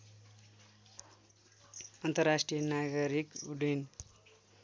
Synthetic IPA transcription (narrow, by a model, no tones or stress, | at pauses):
ʌnt̪ʌrasʈrijʌnaɡʌɾikuɖen